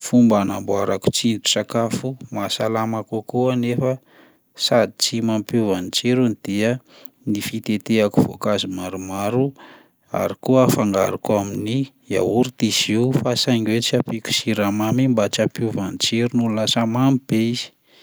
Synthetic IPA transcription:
fumbanambuaɾaku̥t͡sint̪u̥sakafumasalamakukuanefə | sad̪it͡simampuvanit͡ʃiɾunid̪̥iə | nifit̪et̪eakuv̥o̰kazimaɾumaɾu | a̰ɾikuafaŋɡaɾakuamini | a̰uɾut̪iziufasajŋɡwet͡siapiku̥siɾamamimbat͡ʃapjuvanit͡ʃiɾunulasamamib̥eiz̥i̥

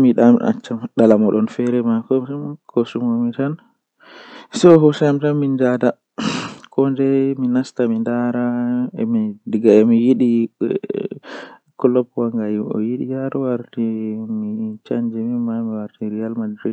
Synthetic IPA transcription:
miɗama̰t͡ʃːamɗalamɔɗɔnfɛɾɛmakɔkʰosumomitan | sɛɔɦɔsamtanmind͡ʒada | kʰɔndɛminastamindaɾaɛmidiɡaɛmijiɗi | kɔlɔpuwaŋɡajiɔ̰jiɗḭjaɾɔwaɾtimit͡ʃaɲd͡ʒimimamiwaɾtiɾijalmadɾid

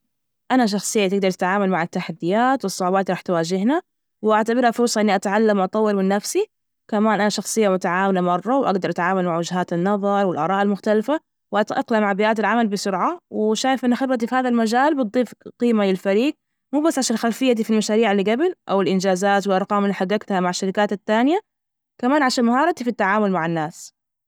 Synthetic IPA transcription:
ʔanaʃ̬ɑxsˤɨjːat̪ɪɡ̚d̪ɑɾˤt̪ɪ̥t̪ʕaːmalmaʕɪt̪ːaħad̪ːɪjaːt̪wɨsˤːʊʕubaːt̪ɾˤɑːħt̪waːd͡ʒɪhna | wɪʔaʕt̪abɪɾhafʊɾˤsˤɑʔɪnːiʔat̪ʕalːamʔt̪ˤɑwːɪɾmɪnːafsi | kamaːnʔanaʃɑxsˤɨjːamʊt̪aʕaːwalamɑrˤːɑwʔaɡd̪ɑɾˤʔat̪ʕaːmalmaʕwɪd͡ʒɦaːt̪ɪnːɑðˤɑɾˤwɪlʔɑ̰ɾˤɑːʔalmʊxt̪alfa | wʔat̪ʔaqlamaʕbɪʔaːt̪alʕamalbɪsʊɾʕawɪʃaːjɪfʔɪnːaxɪbɾɑt̪̬ifihaːðalmad͡ʒaːlbɨt̪̚ˤːiːfqiːmalɪlfaɾiːɡ̚ | muːbasːʕaʃaːnlxalfɪjːad̪iːfilmaʃaːɾiːʕɪlːiɡabɪlʔawɪlʔɪnd͡ʒaːzaːt̪wɪlʔɑɾˤqɑːmɪlːiħaɡːaɡt̪hamaʕaʃːaɾɪkaːt̪at̪ːaːnɪja | kamaːnʕaʃaːnmahɑːɾˤɑt̪ifit̪ːaʕaːmʊlmaʕanːaːs

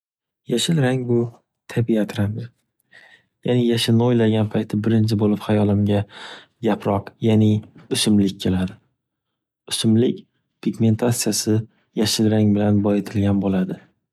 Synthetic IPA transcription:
jaʃɪlɾaŋbʊ | t̪ʰabiat̪ʰɾamɪ | janɪjaʃɪlnɪojlaɡʲanpʰajt̪ʰɪbɪɾɪnt͡ʃʰɪbolɪphajɒlˠɪmɡʲa | ɡʲapʰɾɒqjanɪʊʃɪmlɪkʲkʲʰːe̞lad̪ɪ | ʊʃɪmlɪkʲ | pʰiɡme̞nt̪ʰat̪sːijasɪ | jaʃɪlɾaŋbɪlanbɒjet̪ʰɪlɡʲanbolad̪ɪ

